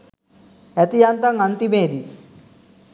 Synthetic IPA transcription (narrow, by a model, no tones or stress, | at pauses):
ɛt̪ijant̪aŋant̪imeːd̪i